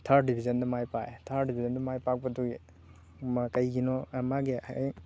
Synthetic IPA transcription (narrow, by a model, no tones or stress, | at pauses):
tʰaɾdibʰʱizɐndɐmajpaetʰaɾdibʰʱizɐndɐmajpak̚pɐduɡe | mkɐjɡinɔmaɡḭj